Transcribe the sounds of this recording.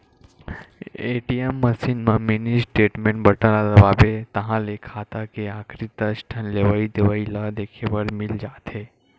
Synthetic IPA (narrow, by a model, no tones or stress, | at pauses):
eʈiemːəsinmə̃minisʈeːʈmẽɳʈbəʈəlad̪əbaːbet̪ɐɦãlekʰaːt̪akeaːkʰɾit̪ːəsʈʰənleʋaid̪eʋailəd̪eːkʰebəɾmɪld͡ʒaːt̪ɦe